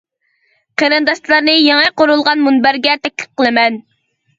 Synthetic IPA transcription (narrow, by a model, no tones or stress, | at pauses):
qʰeɾɨnd̪ɑʃt̪lˠɑɾnɨjɛŋɛqoɾulˠʁɑnmunbæɾɡʲɛt̪ʰɛk̚ʲlɪ̥p̚qʰəlˠɨmɛn